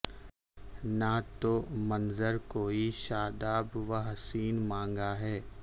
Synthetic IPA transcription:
nat̪omɐnzəɾkoːiʃaːd̪aːbʋaɦɐsiːnmãːŋɡaɦɛː

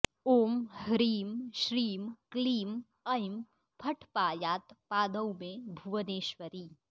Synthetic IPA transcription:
oːmhəɾiːmʃɾiːmkliːm | ɐjm | pʰɐʈʰpaːjaːt̪paːd̪əwmẽbʱuʋəneːʃʋəɾiː

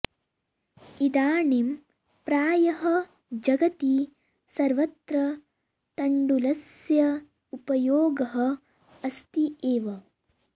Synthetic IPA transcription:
id̪aːɳem | pɾaːjɐɦɐ | d͡ʒɐɡɐt̪i | sɐɾʋɐt̪ɾɐ | t̪ɐɳɖulɐsjɐ | upɐjoːɡɐɦɐ̆ | ɐst̪ieːʋɐ

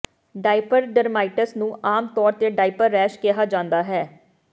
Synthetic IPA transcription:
ɖaːɪpəɾɖəɾmaːɪʈəsnũːʔaːmt̪ɔːɾt̪eːɖaːɪpəɾːɛːʃkɪɦaːd͡ʒãːnd̪aːɦɛː

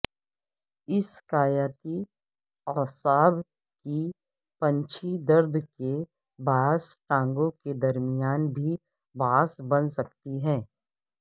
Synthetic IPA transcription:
ɪskaːjaːt̪i | ɔsaːb | ki | pɐ̃ɲt͡ʃʰid̪ɐɾd̪ʱke | baːsʈãːŋɡõked̪ɐɾmɪjaːnbʱi | baːsbɐnsɐk̚t̪iɦɛ̃ː

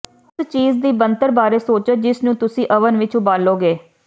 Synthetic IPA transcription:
st͡ʃiːzd̪iːbənt̪əɾbaːɾeːsoːt͡ʃəd͡ʒɪsnũːt̪ʊsĩːʔəʋənʋɪt͡ʃʊbaːloːɡeː

